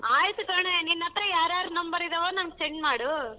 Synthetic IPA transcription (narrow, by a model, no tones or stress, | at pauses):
aːjt̪ukɐɳ̃eninːɐt̪ɾɐjaːɾaːɾunɐmbɐɾid̪ɐʋoːnɐmɐɡ̚seɳɖmaːɽu